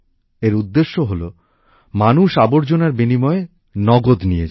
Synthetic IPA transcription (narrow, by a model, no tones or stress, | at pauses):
eɾud̪ːeʃːoɦolo | manuʃaboɾd͡ʑonaɾbinimɔe | nɔɡod̪nijed͡ʑ